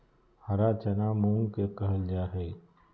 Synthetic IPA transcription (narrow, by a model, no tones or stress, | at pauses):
hɐɾaːt͡ʃənamũŋɡkekəɦəld͡ʒaːɦei